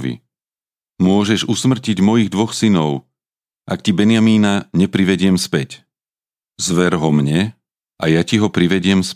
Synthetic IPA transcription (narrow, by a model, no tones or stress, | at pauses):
ʋḭ | mʊɔʒɛʒusmr̩ciɟmɔjiɣd̪ʋɔxsinɔʊ | ʔakcibɛnɪjamiːnaɲɛpɾiʋɛɟɪɛmspɛc | zʋɛɾɦɔmɲɛ | ʔajaciɦɔpɾiʋɛɟɪɛms